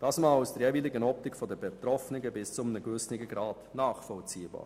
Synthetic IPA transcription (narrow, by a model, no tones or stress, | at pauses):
d̥ɑːsmɑːlusd̥əɾjɛviːlɪɡənɔp̚tɪkfɔdəbɛt̪rɔfnɪɡəbɪst͡sʊmənəɡvʏsnɪɡəɡɾaːtnaːχfɔlt͡siːbɑ̰ːɾ